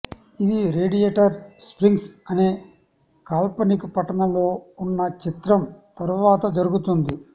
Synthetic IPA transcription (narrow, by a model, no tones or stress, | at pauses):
id̪iɾe̞ːɖijeːʈɐɾspɾiŋɡsɐne̞ː | kaːlpɐnikupɐʈːɐnɐlo̞ːunːɐt͡ʃit̪ɾɐmt̪ɐɾuʋaːt̪ɐd͡ʒɐɾuɡut̪und̪i